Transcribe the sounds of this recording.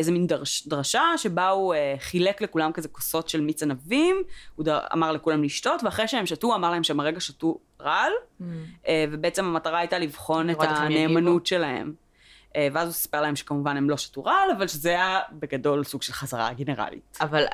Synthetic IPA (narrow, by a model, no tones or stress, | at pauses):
ezemindʁʃdʁaʃaʃe̞baueχileklekulamkazekoso̞tʃelmit͡sanavimuda̰maʁlekulamliʃto̞tveaχʁejʃeemʃatuamaʁlahemʃeemaʁeɡaʃatu | ʁal | evebeet͡semamataʁaajtalivχo̞netaneːmanutʃe̞lahe̞̰m | ʔeveazusḁpelahemʃe̥kamuvanemlo̞ʃḁtuʁalavalʃezejabe̞ɡado̞lsuɡ̥ʃelχazaʁa̰ɡeneʁa̰lḭtaval